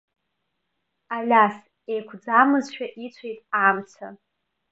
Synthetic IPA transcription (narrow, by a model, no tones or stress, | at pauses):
alʲas | ejkʷʰd͡zamɨzʃᶣaʔit͡sʷʰejtʼamt͡sʷʰa̰